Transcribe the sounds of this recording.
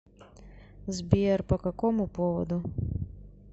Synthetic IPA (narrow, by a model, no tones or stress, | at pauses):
zbʲiɛrpɐkɐkɔmupɔʋɔ̰d̪u